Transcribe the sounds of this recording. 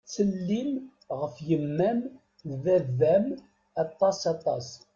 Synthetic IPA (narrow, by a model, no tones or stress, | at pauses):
t͡sːəlːim | ʁəfjəmːæn | ðæðæm | ɑt̪ˤːɑsɑt̪ˤɑ̰s